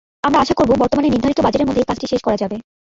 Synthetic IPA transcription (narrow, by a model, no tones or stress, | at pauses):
amɾaaʃakoɾbobɔɾt̪omanenid̪ʱaɾik̚t̪obad͡ʑeɾeɾmod̪ʱekat͡ɕʈiʃeʃkɔɾad͡ʑabe